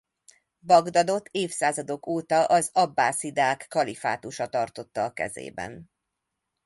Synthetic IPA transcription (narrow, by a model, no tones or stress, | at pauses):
bɒɡd̪ɒd̪o̞t̪ʰːeːfsaːzɒd̪o̞kʰoːt̪ɒʔɒzɒbːaːsid̪aːkːɒlifa̰ːt̪uʃɒt̪ɒrt̪o̞t̪ːɒːkɛ̰zḛːbɛ̰n